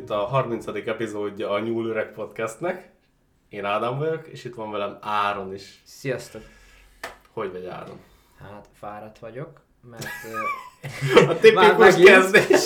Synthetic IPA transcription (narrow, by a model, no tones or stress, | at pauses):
t̪ːɒɦɒrmintsɒd̪ikɛpizoːɟːɒːɲuːløɾɛkpo̞t̪kɛst̪nɛk | eːnaːd̪aɱvɒɟo̞keːʃit̪ʋɒɱvɛlɛmaːɾo̞niʃsijɒst̪ok | ho̞ɟʋɛɟa̰ːɾo̞̰n | hat̪faːɾɒt̪ʋɒɟo̞k | mɛrt̪ | ɒt̪ipikuʃkɛzd̪eːʃ